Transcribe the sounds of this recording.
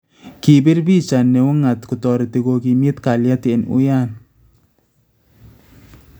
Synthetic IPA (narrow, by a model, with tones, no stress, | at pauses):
ki˨bɪ˦ɾbi˦t͡ʃa˨nːɛ˨ʊ˦ŋa˨tkʊ˨tɔ˨ɾe˨ti˨ɣo˨ki˨mje˦tka˨lja˦te˨nʊ̰˦ja˦˨n